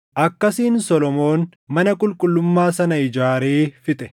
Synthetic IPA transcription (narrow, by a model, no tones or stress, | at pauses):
ʔɐkːɐsiːnsɔlɔmo̞ːn | mɐnɐkʼʊlkʼʊlːʊmːaːsɐnɐɪd͡ʒaːɾeːfɪt̪ʼɛ